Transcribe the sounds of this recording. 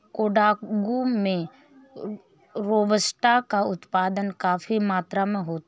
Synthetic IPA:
koːɖaːɡumẽ | ɾoːbəsʈakaʊt̪paːd̪ənkaːfimaːt̪ɾamẽɦoːt̪

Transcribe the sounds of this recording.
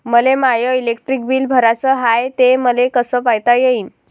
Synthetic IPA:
məlemajəilek̚ʈɾik̚biːlbʱəɾat͡səɦajt̪eməlekəsəpajt̪ajeiːn

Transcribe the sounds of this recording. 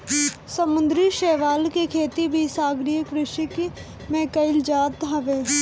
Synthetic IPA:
səmʊ̃nd̪ɾiʃeːʋaːlkekʰeːt̪ibʱisaːɡɾijəkɾɪʃik | mẽːkəɪld͡ʒaːt̪ɦɐʋeː

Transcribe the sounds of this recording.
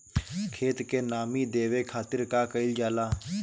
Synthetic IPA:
kʰeːt̪kenaːmid̪eːʋekʰaːt̪ɪɾkakəɪld͡ʒaːlaː

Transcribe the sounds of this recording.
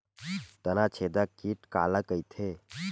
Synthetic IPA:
t̪ənat͡ʃʰed̪əkiʈka̰ləkəjt̪ʰe

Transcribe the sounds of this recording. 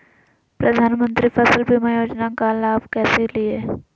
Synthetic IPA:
pɾɐd̪ʱaːnmə̃nt̪ɾifɐslbʱimajoːd͡ʒnakalaːʋkɛːselie

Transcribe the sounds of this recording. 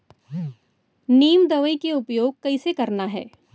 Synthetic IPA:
niːmd̪ɐʋəikeʊpjoːɡ̚kɐisekɐɾnaɦɛ̰ː

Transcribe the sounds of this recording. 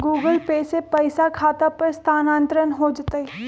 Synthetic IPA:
ɡuːɡəlpeːsepɐɪsakʰaːt̪apɐɾst̪ʰaːnãːnt̪ɾənɦod͡ʒt̪əi

